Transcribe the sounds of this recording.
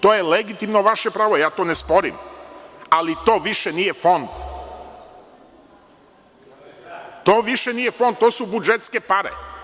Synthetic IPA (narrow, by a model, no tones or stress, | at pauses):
t̪oːjeleɡit̪imnoʋaʃepɾaːʋojaːt̪oːnespoɾḭm | alit̪oːʋiʃenijefo̞nd̪ | t̪oːʋiʃeniːjefo̞nd̪̚t̪ːoːsubud͡ʒet̪skepaɾḛ